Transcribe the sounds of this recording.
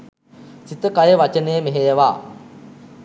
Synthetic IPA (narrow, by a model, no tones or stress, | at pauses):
sit̪əkajəʋat͡ʃənəjəmeɦejəʋaː